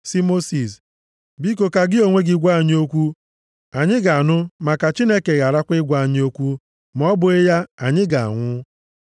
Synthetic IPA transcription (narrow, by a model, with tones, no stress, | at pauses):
si˦mo˦si˨s | bi˦ko˨ka˨ɡɪ˦o˨ŋʷe˦ɡɪ˦ɡʷa˦˨ɲ˦o˦kʷu˦ | a˨ɲɪ˦ɡa˨a˨nʊ˦ma˨ka˨t͡ʃi˦ne˦ke˨ɣa˨ɾa˦kʷɪ˦ɡʷa˦˨ɲɪ˦o˦kʷu˦ | m˦ɔ˦bʊ˨e˦ja˦a˨ɲɪ˦ɡa˨a̰˨ŋʷʊ˦